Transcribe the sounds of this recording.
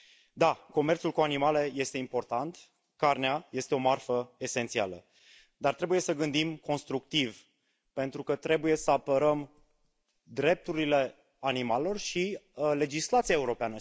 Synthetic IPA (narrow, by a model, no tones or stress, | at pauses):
d̪ako̞me̞rt̪sulkuanimale̞je̞st̪e̞impo̞rt̪ant̪ | karneaje̞st̪eo̞marfəe̞se̞nt̪sialə̰ | d̪art̪ɾe̞buje̞səɡɨnd̪imko̞nst̪ɾuk̚t̪iv | pe̞nt̪ɾukət̪ɾe̞buje̞səapəɾəm | d̪ɾe̞p̚t̪uɾile̞ | animalelo̞rʃile̞d͡ʒislat̪siaeuɾo̞peanə